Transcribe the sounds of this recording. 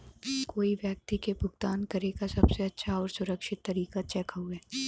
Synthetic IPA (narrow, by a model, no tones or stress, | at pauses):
koːiʋjək̚t̪ikebʱʊɡt̪aːnkɐɾekasɐbseɐtːʃʰaɔːɾsʊɾəkʃɪt̪ːɐɾiːkat͡ʃɛːkɦueː